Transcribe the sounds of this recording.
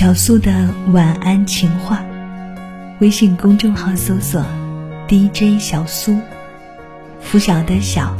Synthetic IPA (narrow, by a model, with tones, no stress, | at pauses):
jɑ˨˩ʊsu˥d̪ə˨wa˨˩na˥nt͡ɕʰi˧˥ŋxwa˥˩ | we˥ɪɕi˨˩ŋkʊ˥ŋʈ͡ʂɤ˥˩ŋxɑ˧˥ŋsɤ˧˥swɔ˨˩˦t̪i˥˧i˥ʈ͡ʂə˥nɕjɑ˨˩ʊsu˥ | fu˧˥ɕjɑ˨˩ʊd̪ə˦ɕjɑ˨˩˦ʊ